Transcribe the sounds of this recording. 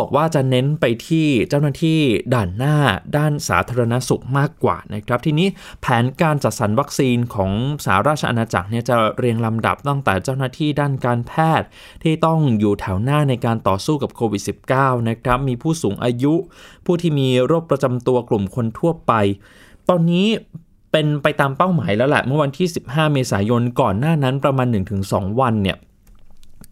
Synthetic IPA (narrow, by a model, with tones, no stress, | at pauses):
bɔː˨˩k̚waː˥˩t͡ɕa˨˩ne˦˥npa˧jt̪ʰiː˥˩t͡ɕaː˥˩wnaː˥˩t̪ʰiː˥˩daː˨˩nːaː˥˩daː˥˩nsa̰ː˩˦t̪ʰaː˧ɾa˧na˦˥su˨˩k̚maː˥˩kːwa̰ː˨˩na˦˥kʰɾa˦˥p̚t̪ʰiː˧niː˦˥ | pʰɛː˩˦nkaː˧nt͡ɕa˨˩t̪̚sa˩˦nwa˦˥k̚siː˧nkʰɔː˩˦ŋsa̰ː˩˦ɾaː˥˩t̚t͡ɕʰa˧ʔa̰˧naː˧t͡ɕa̰˨˩k̚ni˥˩ɐt͡ɕa˨˩ɾi˧əŋla˧mda̰˨˩p̚t̪a˥˩ŋt̪ɛː˨˩t͡ɕaː˥˩wnaː˥˩t̪ʰiː˥˩daː˥˩nkaː˧npʰɛː˥˩t̪̚ | t̪ʰiː˥˩t̪ɔ˥˩ŋjuː˨˩t̪ʰɛ˩˦wnaː˥˩na˧jkaː˧nt̪ɔː˨˩suː˥˩ka˨˩p̚kʰoː˧wi˨˩t̪̚si˨˩p̚kaː˥˩wna˦˥kʰɾa˦˥p̚miː˧pʰuː˥˩suː˩˦ŋʔaː˧ju˦˥pʰuː˥˩t̪ʰiː˥˩miː˧ɾoː˥˩k̚pɾa˧t͡ɕa˧mt̪u˧ɐklu˨˩mkʰo˧nt̪ʰu˥˩ɐpa˧j | t̪ɔː˧nːiː˦˥ | pe˧npa˧jt̪aː˧mpa˥˩wmaː˩˦jlɛː˦˥lɛ̰˨˩ʔmɯ˥˩˨wa˧nt̪ʰiː˥˩si˨˩p̚haː˥˩meː˧saː˩˦jo˧nkɔː˨˩nːaː˥˩na˦˥npɾa˧maː˧nːɯ˨˩ŋt̪ʰɯ˩˦ŋsɔ̰ː˩˦ŋwa˧nːi˥˩ə